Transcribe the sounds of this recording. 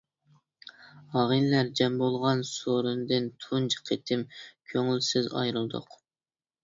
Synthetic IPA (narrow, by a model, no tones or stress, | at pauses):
ɑʁinlæɾd͡ʒɛmbolˠʁɑnsoɾɨnd̪ɨnt̪ʰund͡ʒʰə̥qʰet̪ʰɪmkʲʰøŋylsɪzɑ̰jɾɨlˠd̪ʊ̰q